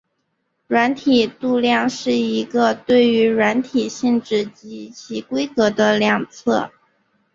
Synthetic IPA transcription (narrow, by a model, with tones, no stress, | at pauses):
ɻwa˧˥nt̪ʰi˨˩t̪u˥˧ljɑ˥˧ŋʂɻ̩˥˩i˧˥ɡə˧t̪we˥˩ɪy˧˥ɻwa˧˥nt̪ʰi˨˩ɕi˥˧ŋʈ͡ʂɻ̩˥˩t͡ɕi˧˥t͡ɕʰi˧˥kwe˥ɪkɤ˧˥d̪ə˧ljɑ˨˩ŋt͡sʰɤ˥˩